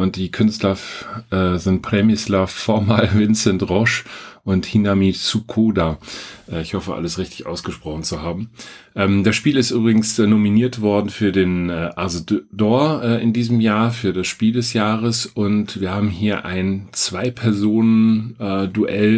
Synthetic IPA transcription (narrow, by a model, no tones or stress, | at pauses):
ʔʊnt̚d̥iːkʰʏnstlɐʔɛːzɪntpʁ̥ɛmɪslafɔɐmalvɪnt͡sɛntʁɔʃʔʊnthinamit͡sukʰoːdaʔɛːɪçhɔfəʔa̰ləsʁɪçtɪ̥çʔa̰ʊsɡ̥əʃpʁ̥ɔχn̩t͡suhaːbm̩ʔɛːmd̥asʃpiːlɪstʔyːbʁɪɡŋ̩snominiːɐtv̥ɔɐdn̩fyːɐdeːnɛːʔazdɔɐʔɛːɪndiːzəm̩jaːɐfyːɐdasʃpiːldɛsjaːʁəsʊntv̥iːɐhaːbm̩ɦiːɐʔa̰ɪnt͡sv̥aɪpʰɛɐzoːnənɛːduʔɛl